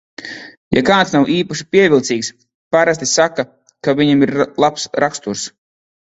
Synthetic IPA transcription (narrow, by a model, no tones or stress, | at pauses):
ja̰kaːt̪snawʔiːpaʃi̥piɛvʲilˠt̪siːks | paɾast̪ʲisaka | kaviɲamiɾlˠapsɾʔakst̪uɾs